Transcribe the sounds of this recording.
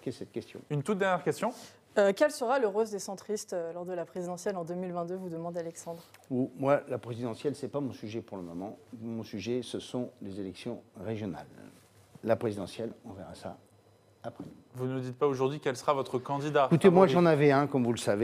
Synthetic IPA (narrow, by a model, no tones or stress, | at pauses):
kesɛt̪̚kʲɛst̪ʰjɔ̰̃ynt̪ut̪̚d̪ɛʁnjɛʁkʲɛst̪jɔ̃ | økʲɛlsəʁaləʁozd̪esɑ̃t̪χist̪ølɔʁd̪əlapχezid̪ɑ̃sjɛlɑ̃d̪ømilvɛ̃t̪d̪øvud̪əmɑ̃d̪ealɛksɑ̃d̪ʁumwalapχezid̪ɑ̃sjɛlsɛpamɔ̃syʒɛpuʁləmɔmɑ̃mɔ̃syʒɛsəsɔ̃lezelɛksjɔ̃ʁeʒjɔna̰lː | apχezid̪ɑ̃sjɛlɔ̃vɛʁasa̰ | apχɛ | vunud̪it̪̚paoʒuʁd̪ɥikʲɛlsəʁavɔt̪χəkɑ̃d̪id̪akut̪emwaʒɑ̃navɛɛ̃kɔmvuləsave